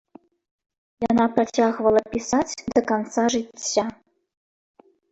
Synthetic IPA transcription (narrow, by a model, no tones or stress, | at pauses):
jɑnɑpratʲaɣvə̆lˠɤpʲisatʲd̪okɑnt̪sɑʐɨtʲɕa